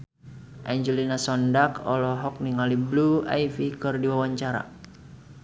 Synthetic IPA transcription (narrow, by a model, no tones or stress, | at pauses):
ʔaɲd͡ʒɛlinasɔndakɔ̰lɔɦɔk̚niŋaliblua̰ifikɨrdiwawaɲt͡ʃaɾa̰